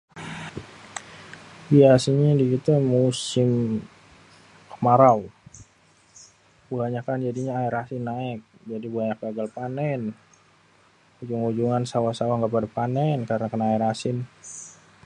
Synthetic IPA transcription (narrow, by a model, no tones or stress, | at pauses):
biasiɲadiɡit̪umusɪm | kəmaɾau | buaɲakand͡ʒadiɲaaiɾasɪnːaɪk̚d͡ʒadibuaɲakaɡalpanɛn | hud͡ʒuŋud͡ʒuŋansawasawaŋkəpadapanɛnkaɾənakanaaiɾasɪn